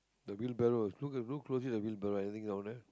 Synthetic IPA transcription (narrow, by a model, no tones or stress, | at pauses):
d̪əbilbɛɾoslukɛlukːlos̬idəbil̚bɛɾoɛnit̪ĩŋdãw̃nɛ